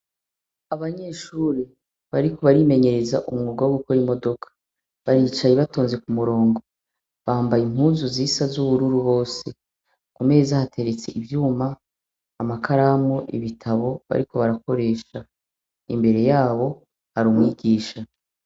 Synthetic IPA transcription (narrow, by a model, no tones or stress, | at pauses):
aβaɲe̞ʃuɾi | βaɾiko̞βaɾime̞ɲe̞ɾezaʔumŋuːɡawoɡuko̞ɾimo̞do̞kʰḁ | βaɾit͡ʃajeβato̞ːnze̞kumuɾo̞ːŋɡo̞ | βaːmbajim̥huːzuziːsazuβuɾuɾuβo̞ːse̞ | kume̞ːzahatʰe̞ɾet͡se̞̰ʔiβjuːmaː | makʰaɾamoʔḭβitʰaβo̞βa̰ɾiko̞βaɾako̞ɾe̞ːʃa | ḭmbe̞ɾe̞jaːβo̞ | haɾumŋiːɡiːʃa